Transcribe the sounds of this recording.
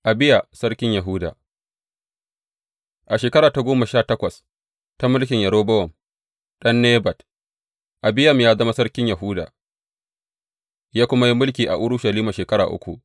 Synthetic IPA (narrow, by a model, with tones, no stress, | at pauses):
ʔa˨bɪ˦ja˨sɐ˦ɽkʲɪ˦ɲjɐ˨ɦʊ˦da̰ː˨ | ʔa˨ʃeː˨kɐ˦ɾaː˨ta˨ɡʷoː˦ma˨ʃaː˦˨tɐ˦kʷɐ˨s | ta˦mʊ˦lkʲɪ˨ɲjɐ˨ɽoː˦bɐ˦wɔ˨m | ɗɐ˦nːeː˦bɐ˨t | ʔa˨bɪ˦ja˦m˨jaː˦zɐ˦ma˦sɐ˦ɽkʲɪ˦ɲjɐ˨ɦʊ˦da̰ː˨ | jaː˦kʷʊ˦ma˦ji˦mʊ˦lk̬ʲiː˨ʔa̰˨ʔʊ˦ɽʊ˦ʃɐ˨liː˦ma˨ʃeː˨kɐ˦ɽa̰ː˨ʔʊ̰˦kʷṵ˨ʔ